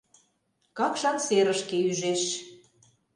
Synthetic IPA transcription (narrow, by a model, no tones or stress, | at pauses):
kɑkʃɑnseɾəʃkeyʒeʃ